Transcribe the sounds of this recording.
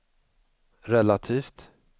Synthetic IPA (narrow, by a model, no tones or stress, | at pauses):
ɾɛlat̪ʰiːft̪